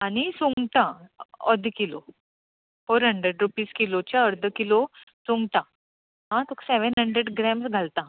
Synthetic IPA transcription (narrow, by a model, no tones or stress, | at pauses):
aɽ̃isuŋɡʈ̪ãəd̪ʱkilo | foɾɦəɳɖɾəɖɾupiːskilot͡ɕjaəɾd̪ʱəkilosũŋɡʈ̪ã | ɦãt̪ʰokʰseʋənɦəɳɖɾəɖɡɾɛmsɡʱalt̪a